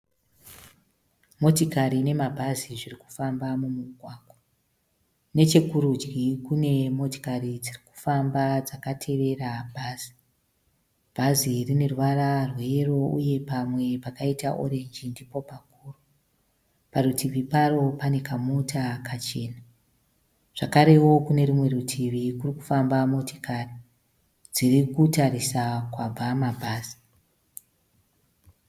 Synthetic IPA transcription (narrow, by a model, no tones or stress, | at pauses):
mo̞tikaɾine̞mabʱaziʐiriku̥fambamumuɡʱwaːɡwa | ne̞t͡ʃekuɾud͡ʒɡikune̞mo̞to̥karid͡ziriku̥fambad͡zakatʰe̞ʋe̞rabʱaːz̥i̥ | b̥ʱazirine̞rʋararwe̞ro̞uje̞pamwe̞pakaitaʔo̞̰ɾe̞nd͡ʒindipo̞pak̚uːru | parutʰiʋiparo̞pane̞kamutʰakat͡ʃe̞̰ːna | ʐ̥akaɾe̞wo̞kune̞ɾimwe̞ɾutʰiʋikuriku̥fambamo̞ti̥kari | d͡zirikutarisakwab͡vamabʱaːz̥i̥